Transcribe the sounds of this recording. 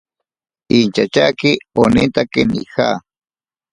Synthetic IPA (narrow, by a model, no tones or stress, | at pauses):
int͡ʃat͡ʃakɪonɪnt̪akɪnḭha̰